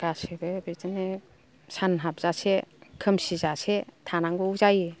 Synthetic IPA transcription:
ɡ̥asebebezene | sanɦap̚z̥asekʰɯmsizasetʰanaŋɡɔuzaji

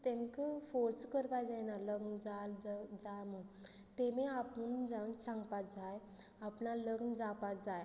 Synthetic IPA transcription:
t̪ɛ̃mkəfoɾskəɾpajd͡zɛnaləɡnd͡zald͡zamə | t̪emẽapənd͡zansãŋɡpat̪d͡zaj | apnaləɡnəd͡zapat̪d͡zaj

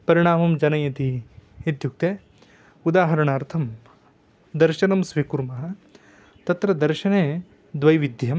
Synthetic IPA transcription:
pɐɾiɳ̃aːmɐmd͡ʒɐnɐjɐt̪iid̪juk̚t̪eː | ud̪aːɦɐɾɐɳaːɾt̪ʰɐm | d̪ɐɾʃɐnɐmsʋikuɾmɐɦɐ | t̪ɐt̪ɾɐd̪ɐɾʃɐneː | d̪ʋɐjʋid̪ʱjɐm

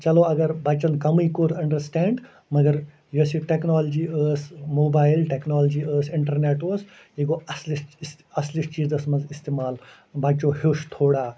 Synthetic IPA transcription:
t͡ʃɐloɐɡɐɾbɐt͡ʃɐnkɐmijkoːɾɐ̃ɳɖəɾsʈɛːɳɖ | mɐɡɐɾ | josiʈeknɔːlɐd͡ʒiːəːsmoːbaːjilʈeknɔːlɐd͡ʒiːəːsɪɳʈɐɾneːʈoːs | iɡoɐsliss | ɐslist͡ʃiːd͡zɐsmɐnzist̪emaːl | bat͡ʃoɦoːʃt̪ʰoːɽaː

